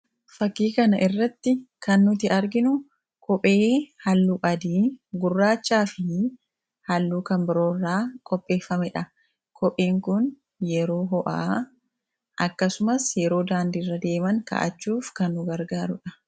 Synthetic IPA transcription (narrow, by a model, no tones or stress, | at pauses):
fɐkːiːkɐnɐʔɪrːɐt̪ːɪkɐnːʊt̪ɪʔɐɾɡɪnʊ | kʰɔpʼe̞ːhɐlːuːʔɐd̪iːɡʊrːaːt͡ʃːaːfɪ | hɐlːuːkɐmbɪɾo̞ːrːaːkʼɔpʼːe̞ːfɐmɛᶑɐ | kʰʼɔpʼeːŋkʊn | jɛɾo̞ːɦɔʔa̰ː | ʔɐkːɐsʊmɐsjɛɾo̞ːd̪aːnd̪iːrːɐd̪e̞ːmɐŋkɐ̰ʔɐ̰t͡ʃːuːfkɐnːʊɡɐɾɡaːɾʊᶑɐ